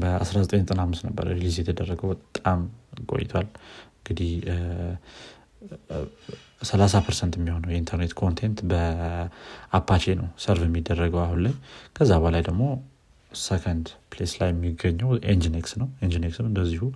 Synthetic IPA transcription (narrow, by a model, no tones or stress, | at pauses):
bəa̰sɾazət̪ʼəɲt̪ʼɨnamːɨsnəbːə̰ɾə̰lizjɛt̪ʰəd̪ərːəɡəwbət̪ʼːamkʼo̞̰jɪt̪ʰwalɨŋɡɨd̪ih | səlasapʰəɾsənt̪jɛmːiho̞nəwjɛint̪ʰəɾnet̪kʰo̞nt̪ʰent̪bə | apʰːat͡ʃe̞nəwsəɾfjɛmːid̪ːərːəɡəwahunləɲːkʰəzːabəlajd̪əɡmo̞ | sekʰənd̪pleslajɛmːiɡəɲːəwʔend͡ʒineksnəwend͡ʒineksmɨnd̪əzːihu